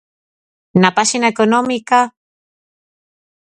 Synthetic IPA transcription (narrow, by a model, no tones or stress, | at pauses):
napasinaekonomika